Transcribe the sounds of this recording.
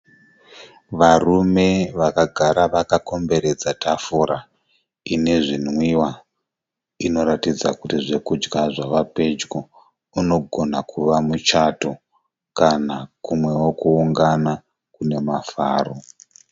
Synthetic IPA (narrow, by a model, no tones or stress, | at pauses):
ʋarume̞ʋakaɡʱaɾaʋakako̞mbe̞ɾe̞d͡zatʰafuɾa | ine̞ʐinwiwa | ino̞ɾatid͡zakutiʐe̞kud͡ʒɡaʐaʋape̞d͡ʒɡo | uno̞ɡʱo̞nakʰuʋamut͡ʃato | kanakumwe̞wokuuŋɡana | kune̞mafa̰ːro